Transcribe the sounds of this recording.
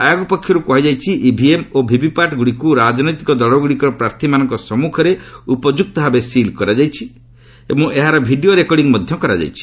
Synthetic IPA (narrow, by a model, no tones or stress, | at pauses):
ajaɡupɔkʰːjɔɾukɔɦid͡ʒajt͡ʃʰiʔibʱiemobʱibʱipaʈɡuɽikuɾad͡ʒɔnɔjt̪ikɔd̪ɔɭɔɡuɽikɔɾɔpɾaɾt̪ʰimanɔŋkɔsɔmukʰɔɾeupɔd͡ʒuk̚t̪ɔɦabesilkɔɾad͡ʒajt͡ʃʰi | emũʔeɦaɾɔbʱiɖioɾekɔɾɖiŋmɔd̪ʱjɔkɔɾa̰d͡ʒa̰jt͡ʃʰi̥